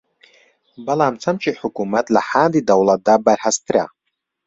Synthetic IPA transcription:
bɐlˠaːmt͡sʰɐmt͡ʃʰiħʊkumɐt̪lɐħaːnd̪iːd̪ɐwlˠɐt̪̚d̪aːbɐɾhast̪ɾa̰

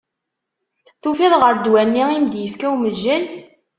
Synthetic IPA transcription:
θufiðʁəɾd̪wænːiimd̪jəfkæwməʒːæl

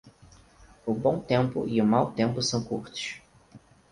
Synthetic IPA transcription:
ʊbõw̃t̪ẽmpʊ̰ʔiʊmawt̪ẽmpʊsɐ̃w̃kuɾt̪ʊ̥ʃ

